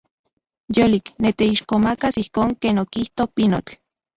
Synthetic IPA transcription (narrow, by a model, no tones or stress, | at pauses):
joliknet̪eiʃkomakasihkoːŋkeːnokiht̪opinot͡ɬ